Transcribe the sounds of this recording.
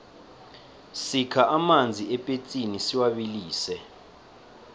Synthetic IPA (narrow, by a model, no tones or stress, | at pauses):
sikʰaʔamand͡zʱiɛpʼet͡sʼinisiwaɓiliːsɛ